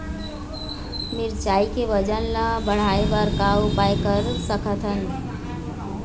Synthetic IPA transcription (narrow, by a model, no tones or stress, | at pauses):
miɾt͡ʃaikeʋəd͡ʒənləbəɽ̤aebaɾkaupajkəɾsəkʰət̪ʰɦən